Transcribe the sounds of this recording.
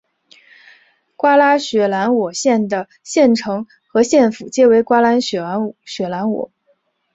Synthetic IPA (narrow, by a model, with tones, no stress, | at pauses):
kwa˥la˥ɕɥɛ˧˥la˧˥nwɔ˨˩ɕjɛ˥˩nd̪ə˩ | ɕjɛ˥˩nʈ͡ʂʰɤ˧˥ŋ | xɤ˧˥ɕjɛ˥˩nfu˨˩t͡ɕjɛ˥we˧˥ɪkwa˥la˧˥nɕɥɛ˧˥˧ɕɥɛ˧˥la˧˥nwɔ̰˨˩˦